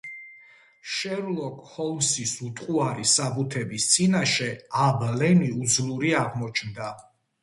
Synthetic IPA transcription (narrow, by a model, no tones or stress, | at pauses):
ʃɛɾlˠɔkhɔlˠmsisut̪ʼqʼuaɾisabut̪ʰɛbist̪sʼinaʃɛablɛniud̪zlˠuɾiaʁmɔt͡ʃʰnd̪a